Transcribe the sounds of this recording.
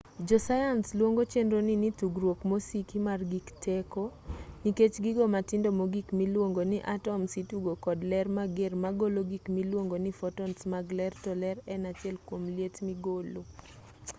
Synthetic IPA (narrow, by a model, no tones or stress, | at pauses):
d͡ʒɔsajanslwoŋɡot͡ʃendɾonɪnit̪uɡɾwokmosikimarɡiktʰɛkoniket͡ʃɡɪɡomatɪndomoɡikmilwoŋɡonɪʔatɔmsituɡokɔdlɛrmaɡermaɡoloɡikmilwoŋɡonɪfɔtɔnsmaɡlɛrtɔlɛɾɛnat͡ʃɪɛlkwomljetmiɡolo